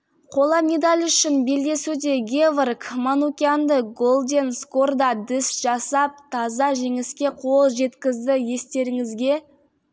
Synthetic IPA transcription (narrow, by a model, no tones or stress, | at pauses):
qʰo̞lˠɑme̞d̪alʲʏʃɪnbe̞ld̪e̞sud̪e̞ɡʲevrkmanukʲiand̪əɡo̞lˠd̪ʲensko̞rd̪ɑd̪ɪsʒ̥ɑsɑp̚t̪ʰɑzɑʒe̞ŋɪskʲe̞qʰo̞lˠʒe̞t̪kʲɪzd̪ɪje̞st̪e̞ɾɪŋɪzɡʲe̞